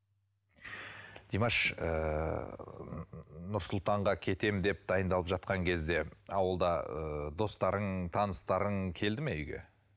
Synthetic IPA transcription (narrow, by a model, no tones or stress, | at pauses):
d̪̥ijmɑʃə | nʊɾsʊlˠt̪ɑɴʁɑkʲʰe̞t̪e̞md̪e̞p̚d̪ɑjənd̪ɑlˠəpʒɑt̪̚qɑŋkʲʰe̞zd̪e̞ɑwəlˠd̪ɑəd̪o̞st̪ɑɾəɴt̪ʰɑnəst̪ɑɾəɴkʲʰe̞ld̪ɪmeʏɡʲe̞̰